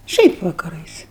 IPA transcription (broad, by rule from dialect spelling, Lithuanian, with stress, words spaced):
ˈʃʲɛɪp ʋɐkɐˈrɐɪs